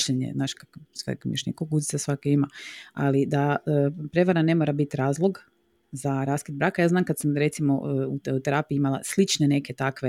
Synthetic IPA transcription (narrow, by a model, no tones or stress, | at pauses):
ʃeɲḛznaːʃkaksʋḛkmḭʃeɲekokuzit̪asʋakeimaa̰lid̪aəpɾe̞ʋaɾane̞moːɾabit̪ɾaːzlˠo̞ɡ | zaɾaːskid̪bɾaːkajaːznaːmkad̪samɾe̞t̪simout̪t̪eɾapiimalˠa̰slˠit͡ʃnene̞ke̞t̪akʋe